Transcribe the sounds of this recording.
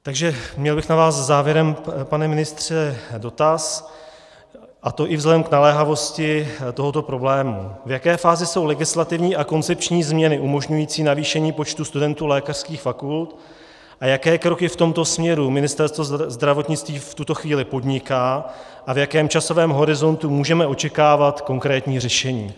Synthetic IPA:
t̪aɡʒɛmɲɛlbɪxnavaːszzaːvjɛɾɛmpanɛmɪnɪst̪r̥ɛdo̞t̪as | ʔat̪o̞ʔɪvzlɛdɛmknalɛːɦavo̞scɪt̪o̞ɦot̪o̞pɾo̞blɛːmṵvjakɛːfaːzɪso̞wlɛɡɪslat̪ɪvɲiːʔako̞nt͡sɛp̚t͡ʃɲiːzmɲɛnɪʔumo̞ʒɲujiːt͡siːnaviːʃɛɲiːpo̞t͡ʃt̪ust̪udɛnt̪uːlɛːkar̥skiːxfakult̪ | ʔajakɛːkɾo̞kɪft̪o̞mt̪o̞smɲɛɾumɪnɪst̪ɛɾst̪vozd̪ɾavo̞t̪ɲɪt͡st̪viːft̪ut̪o̞xviːlɪpo̞dɲɪkaː | ʔavjakɛːmt͡ʃaso̞vɛːmɦo̞ɾɪzo̞nt̪umuːʒɛmɛʔo̞t͡ʃɛkaːvat̪ko̞ŋkɾɛːt̪ɲiːrɛʃɛɲḭː

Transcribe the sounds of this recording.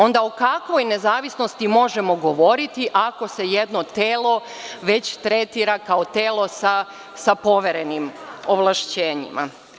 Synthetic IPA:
o̞nd̪aokakʋo̞jne̞zaːʋisno̞st̪imo̞ʒe̞mo̞ɡo̞ʋo̞ɾit̪iʔako̞se̞jed̪no̞t̪eːlˠo̞ | ʋe̞t͡ɕt̪ɾe̞t̪iɾakaot̪eːlo̞sa | sapo̞ʋeɾenimoʋlˠaʃt͡ɕeːɲḭma̰

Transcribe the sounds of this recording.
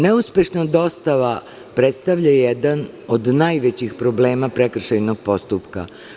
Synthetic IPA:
neuspe̞ʃnad̪o̞st̪aʋa | pɾet̪st̪aʋʎajɛd̪an | od̪najʋet͡ɕixpɾobleːmapɾekr̩ʃajnoɡ̥̚po̞st̪upka̰

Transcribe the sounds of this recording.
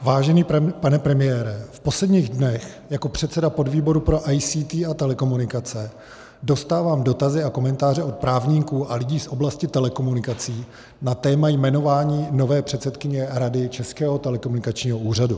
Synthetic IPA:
vaːʒɛniːpanɛpɾɛmɪjɛːɾɛfpo̞slɛdɲiːɣdnɛx | jako̞pr̥ɛt̪sɛdapo̞dviːbo̞ɾupɾo̞ʔajsiːt̪iːat̪ɛlɛko̞munɪkat͡sɛ | do̞st̪aːvaːmdo̞t̪azɪako̞mɛnt̪aːrɛʔo̞t̪̚pɾaːvɲiːkuːʔalɪɟiːsʔo̞blascɪt̪ɛlɛko̞munɪkat͡siː | nat̪ɛːmajmɛno̞vaːɲiːno̞vɛːpr̝̥ɛt̪sɛt̪kɪɲɛɾadɪt͡ʃɛskɛːɦo̞t̪ɛlɛkomunɪkat͡ʃɲiːɦo̞ʔuːr̝adu

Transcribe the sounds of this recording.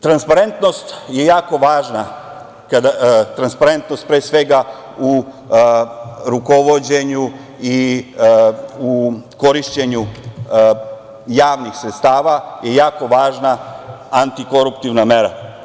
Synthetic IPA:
t̪ɾanspaɾe̞nt̪no̞st̪je̞jaːko̞ʋaːʒna | kad̪at̪ɾanspaɾe̞nt̪nost̪pɾeːsʋe̞ɡa | u | ɾuko̞ʋo̞d͡ʑe̞ɲu | i | uko̞ɾiʃt͡ɕe̞ɲu | jaːʋnixsɾet̪st̪aːʋaje̞jaːko̞ʋaːʒnaant̪iko̞ɾupt̪iʋnameɾa̰

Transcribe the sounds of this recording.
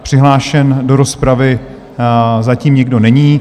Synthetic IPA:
pr̝̥ɪɦlaːʃɛndo̞ɾo̞spɾavɪ | zaciːmɲɛɡdo̞nɛɲiː

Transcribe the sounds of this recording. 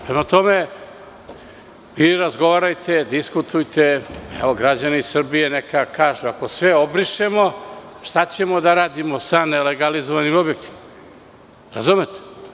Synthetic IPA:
pɾe̞mat̪o̞me̞ | ʋiɾazɡo̞ʋaːɾajt̪ʰe̞d̪iskut̪ujt̪eɛ̰ʋo̞ɡɾad͡ʑaniisr̩bije̞nekakaːʒuako̞sʋeobɾiʃe̞mo̞ | ʃt̪at͡ɕe̞mo̞d̪aɾaːd̪imosanele̞ɡalizoʋanimo̞bje̞kt̪i̥ma | ɾa̰zumet̪e̥

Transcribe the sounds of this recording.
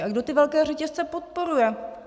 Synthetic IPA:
aɡdo̞t̪ɪvɛlkɛːrɛcɛst͡sɛpot̪̚po̞ɾujɛ

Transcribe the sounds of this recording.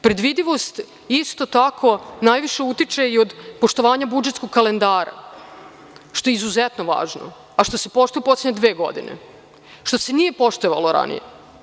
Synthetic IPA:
pɾe̞d̪ʋid̪iʋo̞st̪ | ist̪o̞t̪akʰo̞najʋiʃe̞ut̪it͡ʃeio̞d̪poʃt̪o̞ʋaːɲabud͡ʒet̪skoɡkːalend̪aːɾa̰ | ʃt̪o̞jeizuzet̪no̞ʋa̰ːʒno̰ | aʃt̪o̞se̞po̞ʃt̪ujeposlʲeɲed̪ʋeːɡo̞̰d̪ḭnḛ | ʃt̪o̞se̞nije̞po̞ʃt̪oʋalˠoɾa̰nḭjḛ

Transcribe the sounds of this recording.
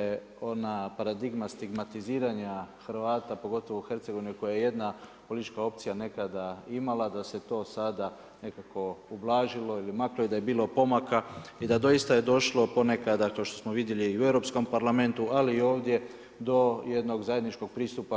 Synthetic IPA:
je | onapaɾad̪iɡmast̪iɡmat̪iziːɾaɲaxɾ̩ʋaːt̪apo̞ɡo̞t̪o̞ʋouxe̞ɾt̪seɡoinuko̞jajeje̞d̪napolit̪it͡ʃkao̞p̚t̪sijane̞kad̪aimalˠad̪ase̞t̪o̞ːsad̪a | ne̞kakʰo̞ublˠaːʒilo̞ilimakloid̪aje̞biːlo̞po̞makaid̪ad̪o̞jist̪aje̞d̪o̞ʃlo̞po̞nekad̪d̪akleʃt̪o̞smo̞ʋid̪je̞liːueʋɾo̞psko̞mpaɾlame̞nt̪ualiːo̞ːʋd̪je̞ | d̪o̞je̞d̪no̞ɡzaje̞d̪nit͡ʃko̞ɡ̚pɾiːst̪upa

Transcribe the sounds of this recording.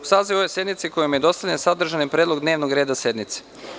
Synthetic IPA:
usaːziʋoojse̞d̪mit̪siko̞jomjed̪o̞st̪alʎensad̪r̩ʒanipɾʲed̪lo̞ɡd̪ne̞ːʋnoɡɾeːd̪ase̞d̪nmit̪se̥

